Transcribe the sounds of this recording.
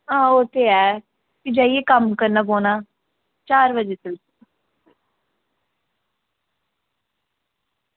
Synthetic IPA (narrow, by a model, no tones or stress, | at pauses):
ãːot̪ʰeːɛː | kɪd͡ʒaːieːkəmkəɾnaːboːnaː | t͡ʃaːɾʋəd͡ʒeːsɪls